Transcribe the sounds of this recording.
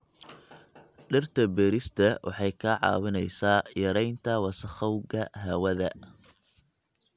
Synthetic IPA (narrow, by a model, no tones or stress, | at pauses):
ɖɪrt̪ʰɐbɛːɾɪst̪ʰɐwʔɑ̰ħɑjkʰɐʕɑ̰ːwɪnɛjsaːjɐɾɛjnt̪ʰɐwɑsɐχɐwɡɐɦɐwɐðɐ